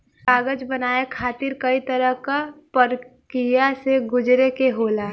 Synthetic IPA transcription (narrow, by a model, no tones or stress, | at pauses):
aːɡəd͡ʒbənaːekʰaːt̪ɪɾkəit̪əɾəɦkapəɾkijaseɡʊd͡ʒɾekeɦoːlaː